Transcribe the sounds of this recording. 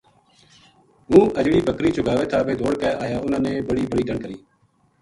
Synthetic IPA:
ɦũːʔəd͡ʒɽiːbəkɾiːt͡ʃʊɡʱaːʋeːt̪ʰaːbeːd̪ʱoːɽkɛːaːjaːʊnãːneːbəɽiːbəɽiːɖəɳkəɾiː

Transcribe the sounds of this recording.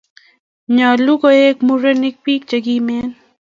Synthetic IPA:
ɲaːlukoeːk̚muɾenɪk̚piːk̚t͡ʃɐɡiːmeːn

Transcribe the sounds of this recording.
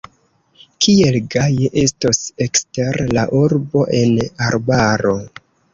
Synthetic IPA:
kʰie̞lɡajeʔe̞stosekste̞ɾlaʔuɾbo̞ʔe̞naɾbaɾo̞

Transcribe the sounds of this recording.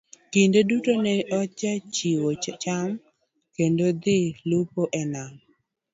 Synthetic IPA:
kɪndedutonɛɔt͡ʃat͡ʃiwot͡ʃam | kendod̪ɪlupoʔɛnam

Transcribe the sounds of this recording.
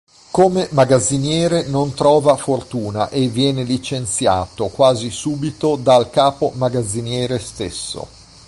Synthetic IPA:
komemaɡad̪zːinjɛːɾenont̪ɾɔːvafort̪uːna̰ʔevːjɛːnelit͡ʃent̪sja̰ːt̪okwaːzisuːbit̪od̪alkaːpomaɡad̪zːinjɛːɾest̪ḛsːo̰

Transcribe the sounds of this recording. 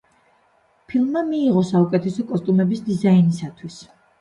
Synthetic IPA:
pʰilˠmmamiːʁɔsaukʼɛt̪ʰɛsɔkʼɔst̪ʼumɛbisd̪izainisat̪ʰwis

